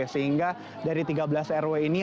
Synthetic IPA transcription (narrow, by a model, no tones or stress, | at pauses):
esəɦiŋɡa | daɾit̪iɡabəlasɛrweini